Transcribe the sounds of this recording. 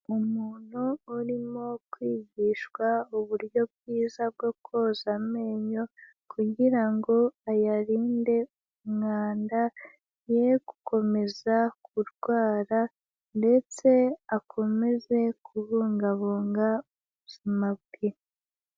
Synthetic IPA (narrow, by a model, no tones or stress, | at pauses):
umuːn̥huːɾimo̞kwiːɟiːʃwauβuɾjo̞b̚ɡiːzab̚ɡo̞kʰo̞zame̞ːɲo̞ | kʰuɟiɾaŋɡo̞ajaɾiːnde̞ | umŋaːnda | je̞ɡu̥kʰo̞me̞zakuɾɡwaːɾa | nde̞t͡se̞akʰo̞me̞ze̞kʰuβuːŋɡaβuːŋɡauβuz̥imabɡe